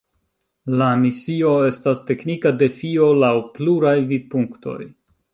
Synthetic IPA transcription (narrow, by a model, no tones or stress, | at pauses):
lamisio̞e̞staste̞knikade̞fio̞lawpluɾajvid̚puŋkto̞̰j